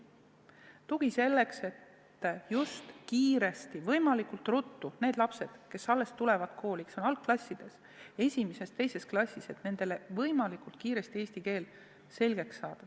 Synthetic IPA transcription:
t̪uɡ̥ise̞lːe̞kse̞t̪ː | just̪kiːɾe̞st̪ivɤ̞jmɑlikult̪rut̪ːune̞ːd̪lɑpse̞d̪̥ke̞sːɑlːe̞st̪ulevɑd̪kʰo̞ːlʲikso̞nɑlk̚klɑsʲːid̪̥e̞s | e̞sʲimese̞st̪e̞jse̞sklɑsʲːise̞t̪ne̞nd̪̥e̞le̞vɤjmɑlikult̪̚kiːɾe̞st̪ie̞ːsʲt̪ike̞ːl | se̞lɡ̥e̞ksːɑːd̪̥ɑ

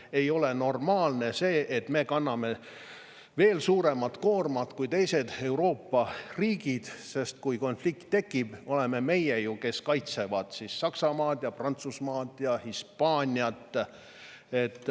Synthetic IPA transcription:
e̞jo̞le̞no̞rmɑːlne̞se̞ːʔet̪ːme̞kɑnːɑme̞ | ve̞ːlsuːɾe̞mɑt̪ːˑko̞ːrmɑt̪kujt̪e̞jse̞d̪̥e̞wɾo̞ːpːɑriːɡid̪̥se̞st̪kujko̞nflikt̪ːe̞kːˑib̥o̞leme̞me̞jejuke̞skɑjt̪se̞vɑd̪̥sisːɑksɑmɑːd̪jɑprɑnt̪susmɑːt̪ːˑjɑhispɑːnʲiɑt̪ː | e̞t̪ːˑ

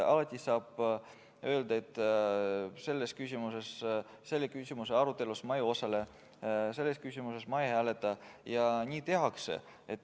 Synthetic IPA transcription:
ɑlɑt̪ʲˑːisɑːb̥ | ø̞ld̪ɑet̪ːˑ | se̞lːe̞skysʲimuse̞s | se̞lːekysimuse̞ɑɾut̪ːˑe̞lusmɑjuo̞sɑle̞ | se̞lːe̞skysʲimuse̞smɑehæːle̞t̪ːˑɑjɑnʲiːt̪e̞ɦɑksḛ | et̪ː

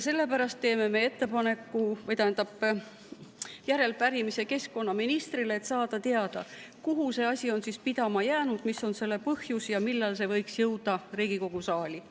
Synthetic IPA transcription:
jse̞lːe̞pæɾɑst̪̚ːe̞ːme̞me̞e̞t̪ːe̞pɑne̞kːˑuvɤjt̪æːnd̪ɑb̥ | jæɾe̞lpæɾimise̞ke̞skko̞nːɑminist̪ɾileːt̪sɑːd̪̥ɑt̪eɑd̪̥ɑ̰ | kuɦuse̞ɑsʲio̞nsispid̪̥ɑmɑjæːnud̪̥misːo̞nse̞lːe̞pɤhjusjɑmilːɑlse̞vɤjksjɤwd̪̥ɑriːɡ̥iko̞ɡ̥usɑːlʲi

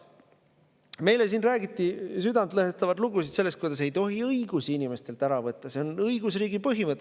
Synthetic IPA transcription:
me̞jle̞s̬iːnræːɡ̥it̪ːˑisyd̪ɑnd̪lɤɦest̪ɑvɑd̪luɡusit̪selːest̪kujd̪̥ɑse̞jt̪o̞ɦiɤiɡ̥usiinime̞st̪e̞lt̪æɾɑvɤt̪ːɑse̞onɤjɡ̥usriːɡ̥ipɤɦimɤt̪ːˑ

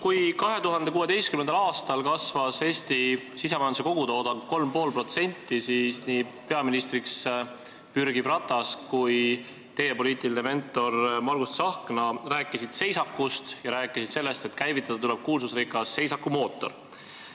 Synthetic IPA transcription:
kujkɑɦe̞t̪uɦɑnd̪̥e̞kuːe̞t̪e̞jst̪kymend̪ɑlɑːst̪ɑlkɑsvɑse̞ːst̪isis̬emɑjnuse̞ko̞ɡ̥ut̪o̞ːd̪̥ɑnko̞lmpo̞ːlpro̞t̪se̞nʲt̪ːisisniːpe̞ɑminist̪ɾiks | pyɾɡ̥ibrɑt̪ːˑɑskuj | t̪e̞jepo̞liːt̪ˑiline̞me̞nt̪ˑːo̞rmɑrɡ̥ust̪sɑhknɑræːkːˑisid̪̥se̞jsɑkːˑust̪jɑɾæːkːˑisid̪̥se̞lːe̞st̪e̞t̪kæjvit̪ːˑɑd̪ɑt̪ule̞b̥̚kuːlsusrikːˑɑsːe̞jsɑkːumo̞ːt̪ˑːo̞r

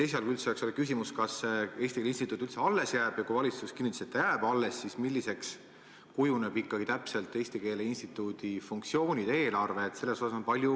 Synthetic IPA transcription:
t̪e̞js̬eɑlkuylt̪seekso̞lekysimuskɑse̞ːst̪ikelinst̪it̪ːˑuːt̪ːˑylt̪se̞ɑlːe̞sjæːb̥jɑkujvɑlʲit̪suskinːit̪ːiset̪ːejæːb̥ɑlːesːismilʲːise̞ks | kujunebikːˑɑɡ̥it̪æpselt̪ːˑe̞ːst̪ike̞ːle̞inst̪it̪ːˑud̪̥ifuŋk̚t̪sio̞ːnʲid̪̥e̞ːlɑrve̞ːt̪ːse̞lːe̞so̞sɑso̞npɑlʲju

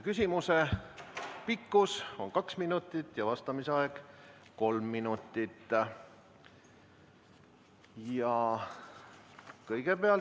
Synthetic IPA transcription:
kysʲimuse | pikːuso̞̰nkɑksminut̪ːˑit̪ːˑjɑvɑst̪ɑmiseɑeɡ̥ | ko̞lmːinut̪ːˑit̪ː | jɑ | kɤjɡ̥e̞peɑl

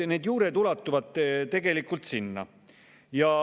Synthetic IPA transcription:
ne̞ːd̪juːɾet̪ulɑt̪ːˑuvɑd̪̥t̪e̞ɡe̞likːˑult̪sinːɑ̰ | jɑ

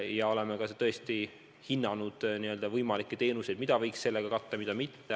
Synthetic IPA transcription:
jɑo̞le̞mekɑset̪ɤ̞est̪i | hinːɑnud̪̥niø̞ld̪̥ɑvɤjmɑlikːˑet̪e̞ːnuse̞d̪̚mid̪ɑvɤjksse̞lːeɡ̥ɑkɑt̪ːɑmid̪ɑmit̪ːe

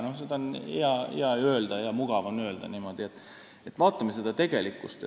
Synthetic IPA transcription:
nohsed̪ɑnheɑḛɑøːld̪̥ɑjɑmuɡ̥ɑvɑnøːld̪̥ɑ̰niːmo̞d̪iet̪ːˑ | et̪vɑːt̪ːˑɑmesed̪ɑt̪e̞ɡ̥e̞likːˑust̪

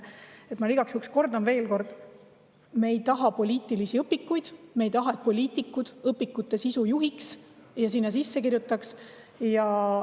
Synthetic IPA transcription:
e̞t̪ˑmɑliɡ̥ɑksyksko̞rd̪onve̞ːlko̞rd̪̥ | mejt̪ɑɦɑpo̞lʲiːt̪ːˑilisiɤpːikːujd̪̥mejt̪ɑɦɑe̞t̪̚po̞lʲiːt̪ːˑikːˑud̪̥ɤpːˑikːˑut̪ːˑe̞sisujuɦiksjɑsinːɑs̬isːe̞kirjut̪ːˑɑks | jɑ

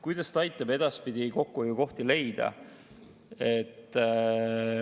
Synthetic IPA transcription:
kujd̪̥ɑst̪ɑjt̪ːˑɑbe̞d̪̥ɑspid̪̥ʲiko̞kːujuko̞ht̪ile̞jd̪̥ɑ̰ | e̞t̪ːˑ

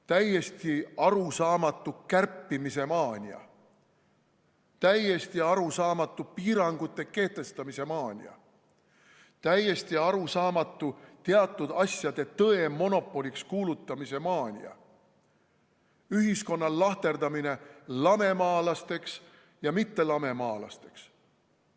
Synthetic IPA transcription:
t̪æje̞st̪iɑɾusɑːmɑt̪ːˑukærpːimise̞mɑːnʲiɑ̰ | t̪æje̞st̪iɑɾusɑːmɑt̪ːˑupiːɾɑŋɡ̥ut̪ːˑe̞ke̞ht̪e̞st̪ɑmise̞mɑːnʲḭɑ̰ | t̪æje̞st̪iɑɾusɑːmɑt̪ˑːut̪eɑt̪ˑːud̪̥ɑsjɑd̪̥e̞t̪ɤe̞mo̞no̞pːˑo̞lʲikskuːlut̪ˑːɑmise̞mɑːnʲḭɑ̰ | yɦisko̞nːɑlɑht̪e̞rd̪̥ɑmine̞lɑme̞mɑːlɑst̪e̞ks | jɑmit̪ːe̞lɑme̞mɑːlɑ̰st̪e̞̥ks

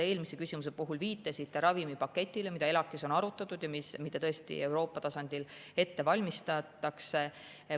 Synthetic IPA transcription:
e̞ːlmisekysʲimus̬e̞puɦulviːt̪ːˑɑsit̪ːe̞ɾɑvimipɑkːe̞t̪ʲːˑile̞mid̪̥ɑe̞lɑkːˑiso̞nɑɾut̪ːˑɑt̪ːˑud̪̥jɑmismid̪̥ɑt̪ɤ̞est̪ḭe̞wɾo̞ːpːˑɑt̪ɑsɑnd̪̥ile̞t̪ːe̞vɑlʲmist̪ɑt̪ːɑkse

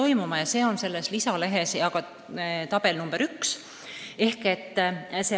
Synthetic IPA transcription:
o̞jmumɑjɑse̞ːo̞nse̞lːe̞slisɑle̞ɦe̞sɑɡ̥ɑ | t̪ɑb̥e̞lnumb̥eɾyks | e̞hke̞t̪ːse

